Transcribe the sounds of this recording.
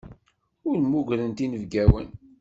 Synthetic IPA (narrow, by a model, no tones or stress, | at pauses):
ʊɾmuɡʷɾənt̪inəvɡæwə̰n